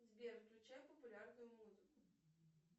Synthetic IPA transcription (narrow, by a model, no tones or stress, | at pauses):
zʲbʲeɾklʲʊt͡ɕajʊpəpʊlʲarnʊjʊmuzɨkʊ